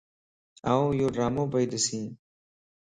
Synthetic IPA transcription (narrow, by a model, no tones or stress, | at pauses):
aːũːjoːɖɾaːmõːbəiːd̪əsĩː